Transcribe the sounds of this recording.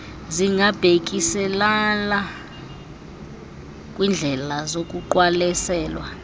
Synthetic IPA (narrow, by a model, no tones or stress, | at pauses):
ziŋʱab̥ʱek̬ʼisɛlala | kʼwind͡ɮʱɛlazokʼuǃwalɛsɛːlwa